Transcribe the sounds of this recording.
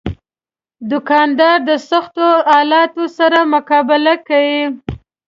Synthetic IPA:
d̪ʊkɑnd̪ɑɾd̪əsaxt̪oɑlɑt̪osaɾamʊkɑbɪlakawi

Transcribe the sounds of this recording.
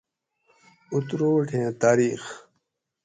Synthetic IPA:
ut̪ɾoːʈʰẽːt̪aːɾiːx

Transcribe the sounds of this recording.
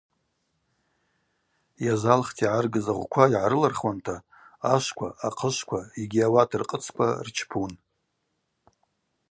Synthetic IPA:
jazalχtʰiʕarɡɨzaʁʷkʷʰaiʕaɾɨlarχwantʰa | aʃʷkʷʰaaqʰəʃʷkʷʰaiɡʲiawatʰɨrqʼət͡sʰkʷʰa̰rt͡ʃʰpʰun

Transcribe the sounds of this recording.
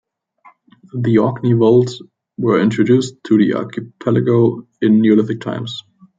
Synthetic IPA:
ðiɔknivoʊlˠts | wə˞ɪ̃ntɹ̥ɨdʉstʰɨðiʔɑ̰ɹkʰɨpʰɛlɨɡoʊ | ɪ̃nːjʉlɪθɪk̚tʰã̰ɪ̃mz̥

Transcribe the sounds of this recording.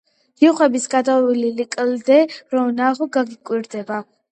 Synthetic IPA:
diχwɛbisɡad̪aililikʼld̪ɛɾɔnaʁɔɡaɡikʼwiɾd̪ɛba

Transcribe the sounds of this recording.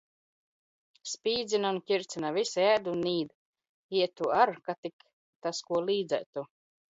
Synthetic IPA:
spʲiːd̪zinankʲiɾt̪sinavisæːd̪uniːd̪ | iɛt̪uaɾkat̪ik | t̪askuɔliːd̪zɛ̰jt̪u

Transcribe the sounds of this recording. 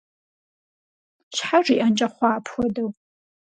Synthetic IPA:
ɕħaʐiʔant͡ʃʼɐχʷɑːpʰxʷɔdɐw

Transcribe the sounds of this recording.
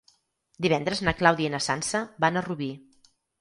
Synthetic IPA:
d̪iβ̞ɛnd̪ɾəznəklawðienəsansəbanəruβi

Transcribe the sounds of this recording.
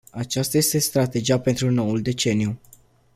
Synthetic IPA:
at͡ʃast̪aje̞st̪e̞st̪ɾat̪e̞d͡ʒiape̞nt̪ɾuno̞wuld̪e̞t͡ʃe̞niju

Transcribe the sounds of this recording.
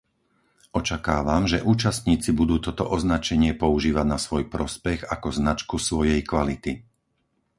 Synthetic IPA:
ɔt͡ʃakaːʋamʒɛʔuːt͡ʃast̪ɲiːt͡sibud̪uːt̪ɔt̪ɔʔɔznat͡ʃɛɲɪɛpɔuʒiːʋaɟnasʋɔjpɾɔspɛɣakɔznat͡ʃkusʋɔjɛjkʋalit̪i

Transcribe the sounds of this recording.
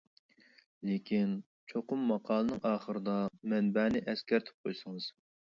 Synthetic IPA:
lekʲʰin | t͡ʃʰoqʊmːɑqʰɑːlˠɨnɨŋʔɑːχəɾɨd̪ɑmɛnbæːnɪʔɛskʲɛɾt̪ʰɪ̥p̚qʰojsɨŋɨz̥

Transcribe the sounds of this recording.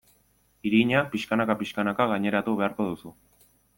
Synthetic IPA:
iɾiɲapiʃkanakapiʃkanakaɣaɲe̞ɾat̪uβ̞e̞aɾko̞ðusu

